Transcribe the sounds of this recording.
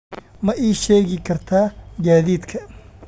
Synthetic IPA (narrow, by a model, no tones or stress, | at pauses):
mɐʔiːʃeːɣɪkʰɐɾt̪ʰaːɡaːðiːt̪kʰɐ